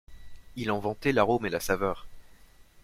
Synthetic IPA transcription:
ilɑ̃vɑ̃t̪ɛlaʁomelasavœːʁ

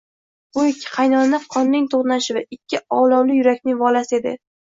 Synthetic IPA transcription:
bʊekʲʰːɪ̥qʰɑjnɒnafqʰɒnːɪŋt̪ʰoχnaʃɪvaɪkʲʰːɪɒwlˠɒwlɪjʊɾakʲnɪŋvɒlasɪe̞d̪ɪ̰

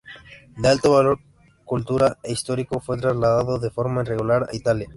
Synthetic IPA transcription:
d̪ealt̪oβalo̞ɾ | kult̪uɾaeist̪o̞ɾiko̞fwe̞t̪ɾazlaðaðoðe̞fo̞ɾmaireɣulaɾa̰it̪alja

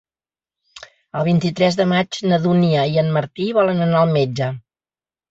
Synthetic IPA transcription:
əlˠβ̞int̪it̪ɾɛzðəmad͡ʒnəðuniəiənməɾt̪iβɔlənənaəlˠmed͡ʒə

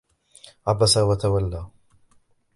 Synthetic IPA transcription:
ʕabasawat̪awalːaː

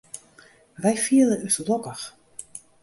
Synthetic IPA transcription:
ʋɛjfiəlˠəyslˠɔkəx

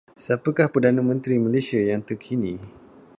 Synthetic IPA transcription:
səapəkahpərdanãmə̃nt̪ɾiməlesiajaŋt̪əkʰinĩ

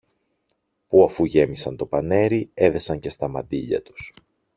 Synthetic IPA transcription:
puɐfuʝe̞misɐnt̪o̞pɐne̞ɾie̞ðe̞sɐɲce̞st̪ɐmɐd̪iʎɐ̰t̪u̥s

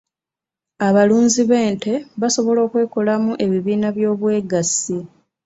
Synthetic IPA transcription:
aβaluːnziβe̞ːnte̞βaso̞βo̞lo̞ːkwe̞ːkolamuʔe̞βiβiːnaβjo̞ːβwe̞ːɡasi

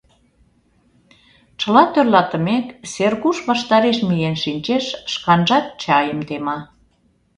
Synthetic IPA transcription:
t͡ɕə̆lɑt̪ørlɑt̪ə̆mekserɣuʃβɑʃt̪ɑɾeʃmijenʃinʲt͡ɕeʃʃkɑnʒɑt̪̚t͡ɕɑjəmt̪emɑ

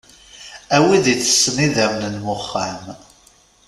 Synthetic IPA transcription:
æwiðit͡sːə̥sːniðæmnənmʊχːam

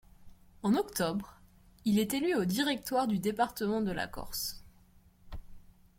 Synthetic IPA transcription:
ɑ̃nɔkt̪ɔbʁ | ilɛt̪elyod̪iʁɛk̚t̪waʁd̪yd̪epaʁt̪əmɑ̃d̪əla̰kɔ̰ʁs

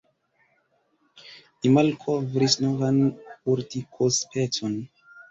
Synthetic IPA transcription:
imalkʰovɾisnovanuɾtikʰospʰet͡son

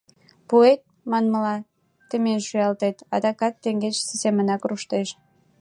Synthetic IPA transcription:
puet̪̚ | mɑnməlɑ | t̪emenʃyɑlt̪et̪ɑd̪ɑkɑt̪ːeŋɡet͡ɕsisemənɑkruʃt̪eʃ

